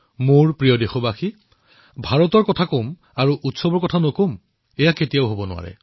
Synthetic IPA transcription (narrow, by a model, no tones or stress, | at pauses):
moɹpɹijɔdexɔbaxi | bʱaɹɔtɔɹkɔtʰakom | aɹuʔutsɔbɔɹkɔtʰanokom | ɛjaketijaʊɦobɔnʊwa̰ɹɛ̰